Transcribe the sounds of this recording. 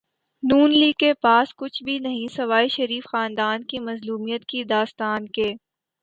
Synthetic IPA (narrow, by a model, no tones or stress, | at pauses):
nuːnliːɡːepaːskʊt͡ʃʰbʱinɐɦĩsɐʋaːiʃɐɾiːfxaːnd̪aːnkimɐzluːmijət̪kid̪aːst̪aːnkeː